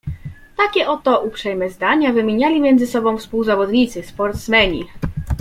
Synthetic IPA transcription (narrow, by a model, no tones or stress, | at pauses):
t̪akʲɛʔɔt̪ɔʔupʂɛjmɛzd̪aɲavɘmʲjeɲalʲimʲjɛnd̪zɘsɔbɔ̃w̃fspuwzavɔd̪ɲit̪sɘspɔɾt̪smɛɲḭ